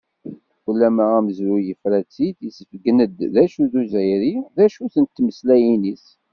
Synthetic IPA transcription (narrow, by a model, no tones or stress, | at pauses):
wəlːæmææməzɾujəfɾæt͡sːiθjəsəfəɡnəd̪ðæʃuðuzəjɾiðæʃuθənt̪ːməslæjinis